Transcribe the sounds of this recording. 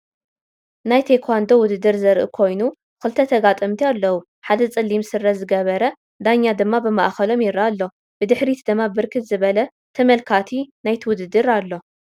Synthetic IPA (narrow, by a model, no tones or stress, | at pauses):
najt̪ʰekʰand̪o̞wʊd̪ɨd̪ːɨɾzɐɾʔṵkʰo̞jnu | kɨlt̪ʰɐt̪ʰɐɡat̪ʼɐmt̪ʰialːɐwu | ħad̪ɐt͡sʼɨlːimsɨrːɐzɨɡɐβɐɾɐ | d̪aɲːad̪ɨmːabɨmaʔxɐlo̞mjɪɾalːo̞ | b̥ɨd̪ɨħɾit̪ʰd̪ɨmːabɨɾkʰɨt̪zɨβɐlɐ | t̪ʰɐmɐlkʰat̪ʰinajt̪ʰɨwʊd̪ɨd̪ɨɾalːo̞